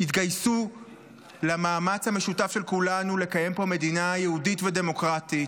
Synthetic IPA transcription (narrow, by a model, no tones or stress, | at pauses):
hitɡajsu | lamaːmat͡shameʃutafʃelkulanule̞kaje̞mpo̞me̞dinajehuditvede̞mo̞kʁatit